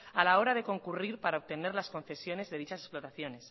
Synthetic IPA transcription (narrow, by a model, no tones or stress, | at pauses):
alao̞ɾað̞e̞ko̞ŋkuriɾpaɾaoβt̪e̞ne̞ɾlaskõ̞nθe̞sjo̞ne̞zðe̞ðit͡ʃasesplot̪aθjo̞ne̞s